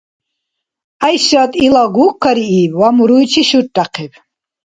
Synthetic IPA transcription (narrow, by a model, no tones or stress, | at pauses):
ajʃat̪ʼilaɡuːkʰːaɾiibwamuɾujt͡ʃʰiʃuɾʈʼːaqʰɛb